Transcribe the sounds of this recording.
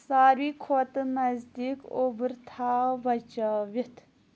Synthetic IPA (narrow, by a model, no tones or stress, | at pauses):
saːɾʋiːkʰot̪mɐzd̪iːkobɨɾt̪ʰaːʋɐt͡ʃaːʋit̪ʰ